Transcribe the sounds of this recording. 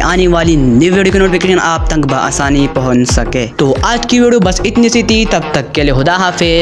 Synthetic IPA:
ʔaːneʋaːlinɪʋeːɽukinoːʈɪpfikeːʃɐnaːp̚t̪ɐ̃ŋɡbʱɐʔa̰ːsaːnipɐɦʊt͡ʃsɐkeːt̪oːʔaːd͡ʒkiʋeːɽjobɐsɪt̪nist̪ʰit̪it̪ɐb̚t̪ɐkːɛːleɦʊd̪aːɦaːfʰeː

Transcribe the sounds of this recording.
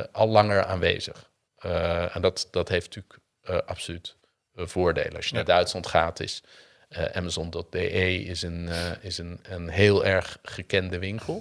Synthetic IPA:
ʔɑlˠːɑŋəɹa̰ːnʋḛjzəχ | ɛ̰ndɑtdɑtɦejfttyːk | ʔɑpsolyt | v̥ʊːɹdḛjlə̰ɑʃjənaːɹdœɥtslɑntχaːtɪ̰s | ʔɛmazɔndɔt̚deʔejɪsənɪsənənɦeːlˠɛɹχχəkɛndəʋɪŋkəlˠ

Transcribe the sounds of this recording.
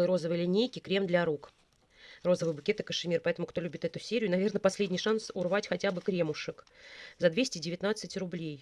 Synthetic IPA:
ɨjɾo̞zəvɨjlʲɪnʲejkʲɪkɾʲe̞md̪lʲɐɾuk | ro̞zəvɨjbʊkʲet̪əkəʂɨmʲirpɐɛt̪əmʊkt̪o̞lʲubʲɪt̪ɛt̪ʊsʲeɾʲɪjʊnɐvʲe̞rnəpɐsʲlʲedʲnʲɪjʂansʊrvatʲxɐtʲabɨkɾʲe̞mʊʂɨkzɐd̪vʲesʲtʲɪdʲɪvʲɪt̪nat̪sɨtʲrʊblʲej

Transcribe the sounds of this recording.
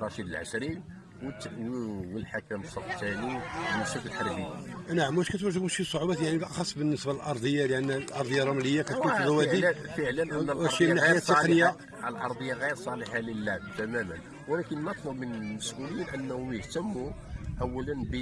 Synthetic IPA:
ɾˤɑʃid̪əlʕa̰ʃɾin | wə | wəlħakæmsˤɑft̪æniməʃəkəlħɑɾˤbinaʕəmwæʃkæt̪wæʒːəɡməʃisˤːoʕubæt̪jaʕniʔɑxɑsˤːbənːəsballʔɑɾˤd̪ˤəjːaləʔænːʔɑɾˤd̪ˤəjːɑrˤɑmləjːakæt̪uæwæifəʕlənʔənːwæɾinːaɣħajæt̪ːeqnəjːa | əlʔɑ̰ɾˤd̪ˤəjːɑɣiɾsˤɑləħaləlːæt̪æmæmən | wælækənːɑt̪ˤləbmənməsʔulijinʔənːhuət̪əmːuʔæwːælənbə

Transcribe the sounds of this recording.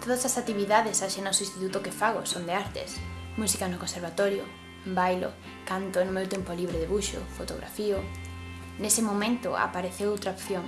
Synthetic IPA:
t̪oðɐsasat̪iβiðaðesaʃenɔsoĩst̪it̪ut̪ʊkefaɣ̞ʊsond̪eaɾt̪ḛsmusikanʊkonseɾβ̞at̪ɔɾjʊ | bajlo̰ | kant̪onʊmewt̪empoliβɾeðeβuʃʊ̰fot̪oɣɾa̰fiʊ | nesɪmomẽnt̪ʊ̰a̰paɾeθewowt̪ɾaopθjoŋ

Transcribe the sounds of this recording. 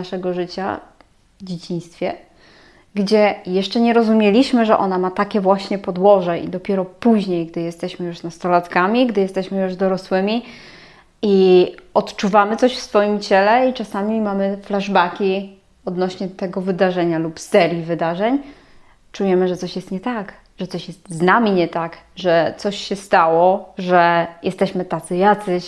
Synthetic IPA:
aʂɛɡɔʐɘt͡ɕa̰ | vd͡ʑet͡ɕĩj̃st̪fʲjɛ | ɡd͡ʑɛjɛʂt͡ʂɛɲɛɾɔzumʲjɛlʲiɕmɘʐɛʔɔnamat̪akʲɛvwaɕɲɛpɔd̪wɔʐɛʔḭd̪ɔpʲjɛɾɔpuʑɲejɡd̪ɘjɛst̪ɛɕmɘjuʂnast̪ɔlat̪kamʲiɡd̪ɘjɛst̪ɛɕmɘjuʐd̪ɔɾɔswɘmʲi | iɔt̪t͡ʂuvamɘt̪sɔɕfsfɔjimt͡ɕɛlɛit͡ʂasamʲimamɘflaʐbakʲi | ɔd̪nɔɕɲɛt̪ɛɡɔvɘd̪aʐɛɲalupsɛɾʲjivɘd̪aʐɛɲ | t͡ʂujɛmɘʐɛt̪sɔɕjɛst̪ɲɛt̪ak | ʐ̥ɛt̪sɔɕjɛst̪znamʲiɲɛt̪akʐɛt̪sɔɕɕɛst̪awɔʐɛjɛst̪ɛɕmɘt̪at̪sɘjat̪sɘɕ

